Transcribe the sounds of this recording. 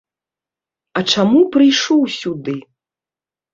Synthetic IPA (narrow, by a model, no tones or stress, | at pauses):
ɐt͡ʂamupɾɨjʂɔwsʲud̪ɨ